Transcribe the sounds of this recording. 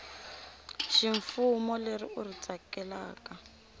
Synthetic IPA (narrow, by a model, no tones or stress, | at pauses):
ʃiɱfumɔlerḭurit͡sʼakɛlaːka